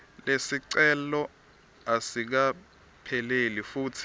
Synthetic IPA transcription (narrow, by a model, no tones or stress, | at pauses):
lesiǀɛlɔ | asik̬a | pʰɛlelifuːtʰi̥